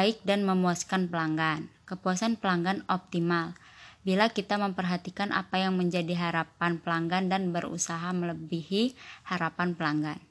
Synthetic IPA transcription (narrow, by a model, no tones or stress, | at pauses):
ɪk̚danməmuaskanpəlaŋɡankəpuasanpəlaŋɡanɔp̚t̪imalbilakit̪aməmpərɦat̪ikanʔa̰pajaŋməɲd͡ʒadiɦaɾapanpəlaŋɡandanbəɾṵsaɦamələbihihaɾapanpəlaŋɡan